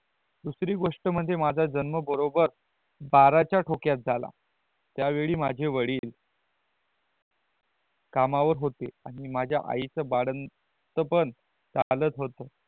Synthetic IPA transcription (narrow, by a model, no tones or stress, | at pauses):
d̪usɾiːɡoʂʈəməd̪ʱjemad͡zʱad͡zənməbəɾobəɾ | baɾat͡ɕjaʈʰokjat̪̚d͡zʱala̰ | t̪jaʋeɭiːmad͡ʑʱeʋəɽiːl | kamaʋəɾɦot̪eaɽ̃imad͡ʑʱja̰ʔa̰it͡səbaɽən | t̪əpən | t͡salət̪ɦot̪ə